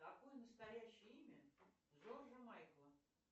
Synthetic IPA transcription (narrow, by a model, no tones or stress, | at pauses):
ɐkojənəst̪ɐjæɕːɪjəimʲəzoʐəmajklˠə